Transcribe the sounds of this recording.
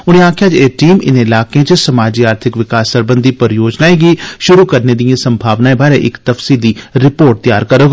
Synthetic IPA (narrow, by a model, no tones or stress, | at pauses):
ʊñẽaːkʰjaːt͡ʃeːʈiːmɪ̰nɪlaːkẽt͡ʃsɐmaːd͡ʒiːaːɾt̪ʰɪkʋɪkaːsːəɾbə̃nd̪ʱipəɾjoːd͡ʒnaːẽɡiʃʊɾukəɾned̪ijãsə̃mbʱaːʋnaːẽbaːɾeʔɪkt̪əfsiːld̪iɾɪpoːɾʈ̚t̪ja̰ːɾkəɾoːɡ